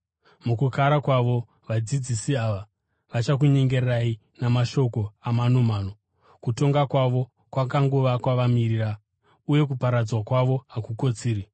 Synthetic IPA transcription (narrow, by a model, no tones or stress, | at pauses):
mukukaɾakwaʋo̞ | ʋad͡zid͡zisiaʋa | ʋat͡ʃak̬uɲe̞ŋɡe̞rai | namaʃo̞ko̞amanomaːno | kuto̞ŋɡakwaʋo̞ | kwakaŋɡuʋakwaʋamiriːra | uje̞k̬upaɾad͡zwakwaʋo̞akuko̞t͡siːɾi